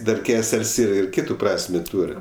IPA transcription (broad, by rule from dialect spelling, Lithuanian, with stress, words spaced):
ˈdɐr ˈkʲæːsʲɛlʲsʲ ɪr ˈkʲiːtʊ ˈprɑːsʲmʲeː ˈtuːrʲ